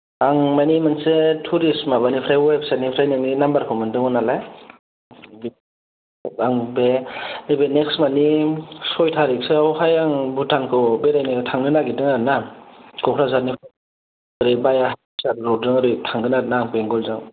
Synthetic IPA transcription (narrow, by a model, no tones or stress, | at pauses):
aŋmajnimansetʰuɾismabanipʰɾajweb̚sanipʰɾajnɯŋninambaɾkʰɯwmandɯŋɯnalaj | bi | aŋbenebeneksmanisɔjtʰaɾiksɯawɦajaŋbutʰankʰɯbeɾajnɯtʰaŋɡɯnaɡidɯŋaɾnakʰɔkʰɾazanipʰ | ɾibajaɦa | saɾɾɔɯŋaɾɯtʰaŋɡɯnaɾnaŋbeŋɡɔlzaŋ